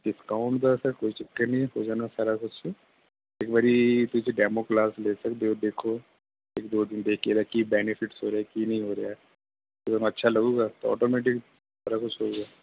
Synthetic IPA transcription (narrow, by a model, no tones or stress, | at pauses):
ɖɪskaːʊ̃ɳʈd̪asɐkoːit͡ʃɪkːəɾnĩɦoːd͡ʒaːnasaːɾakʊt͡ʃʰɛ | eːkbaːɾit̪ʊd͡ʒeɖɛːmoklaːsleːsɐkd̪eod̪eːkʰo | eːkd̪oːd̪ɪnd̪eːkʰieːd̪akibɛːnɪfʰɪʈsɦoːɾeakinɐɦĩɦoːɾɐja | osɐnaɐtːʃʰalɐɡuːɡaːt̪oɔ̰ːʈoːmɛːʈ̬ɪk | saːɾakʊt͡ʃʰɦoɡaː